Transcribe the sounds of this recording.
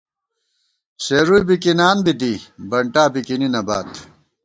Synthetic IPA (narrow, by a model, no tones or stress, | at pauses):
ɕeɾuibikinaːnbid̪ibɐɳʈaːbikininɐbaːt̪